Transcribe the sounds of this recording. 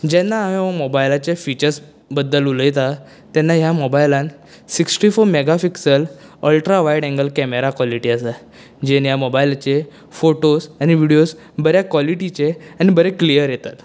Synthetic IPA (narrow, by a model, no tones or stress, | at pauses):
d͡ʑɛnːaːɦemobajlat͡ɕefit͡ɕəɾs | bəd̪ːəluləjt̪a | t̪ɛnːaɦjamɔbajlãn | siksʈifoɾmeɡafiksələlʈɾaʋaiɽɛ̃ŋɡəlkɛmeɾakʋɔliʈiəsa | d͡ʑenjamobajlt͡ɕe | foʈosañiʋiɽijos | bəɾjakʋaliʈit͡ɕeañibəɾeklijəɾjet̪at̪